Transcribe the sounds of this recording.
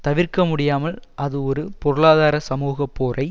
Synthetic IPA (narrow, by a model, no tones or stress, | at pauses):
t̪ɐʋɪɾkɐmʊɽɪjaːmɐlʔɐðɯɔɾɯpɔɾɯɭaːðaːɾɐsɐmuːɣɐpːoːrʔɐɪ